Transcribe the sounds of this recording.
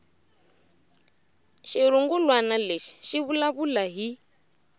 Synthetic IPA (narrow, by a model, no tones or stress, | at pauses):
ʃiɾuŋɡulwanaleʃi̥ʃiβulaβulaɦi